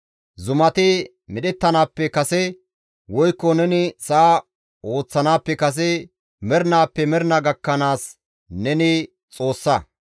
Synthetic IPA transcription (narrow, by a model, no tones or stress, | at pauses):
zʊmɐt̪ɪ | mɪɗɛt̪ːɐnaːpːɛkɐsɛ | wɔjkːɔnɛnɪsaː | o̞ːt͡sːɐnaːpːɛkɐs̬ɛ | mɛɾnaːpːɛmɛɾnɐɡɐkːɐnaːs | nɛnɪ | t͡sʼo̞ːsːɐ